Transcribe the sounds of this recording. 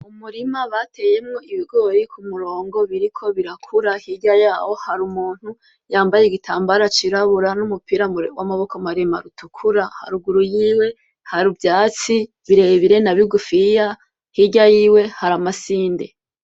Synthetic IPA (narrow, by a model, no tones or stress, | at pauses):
umuɾimaβate̞je̞mŋo̞iβiɡo̞jikʰumuɾo̞ːŋɡo̞βiɾikʰo̞βiɾakʰuɾahiɟajaːwo̞haɾumuːn̥hu | jaːmbajeɡitʰaːmbaɾat͡ʃiɾaβuɾanumupiːɾawamaβo̞komaɾema̰ɾutukʰuɾaha̰ɾuɡuɾujiːwe̞ | haɾubjaːt͡si | βiɾe̞βiɾe̞naβiɡufija | hiɟajiːwe̞haɾamasiːnde̞̰